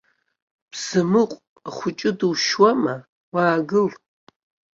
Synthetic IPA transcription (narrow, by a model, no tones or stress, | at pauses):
b̥z̥ɨmɨqʷʼ | χʷʊt͡ʃʼɪdɨwʃwɐmɐ | waːɡɨl